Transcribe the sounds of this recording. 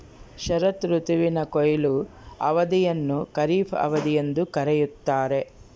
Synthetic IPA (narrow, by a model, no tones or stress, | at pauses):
ʃɐɾɐt̪ɾut̪uʋinɐkojɐluɐ̰ʋɐd̪ijɐnːukɐɾiːpʰɐ̰ʋɐd̪ijend̪ukɐɾɛjut̪ːaːɾe̞